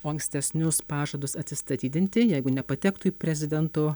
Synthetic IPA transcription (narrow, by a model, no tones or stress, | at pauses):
oːɐŋksʲt̪ʲɛsʲnʲʊspɑːʒod̪ʊsɐt̪ʲsʲɪst̪ɐt̪ʲiːd̪ʲɪnʲt̪ʲɪjɛɪɡʊnʲɛpɐt̪ʲɛkt̪ʊiːpʲɾʲɛzʲɪd̪ʲɛnt̪ʊ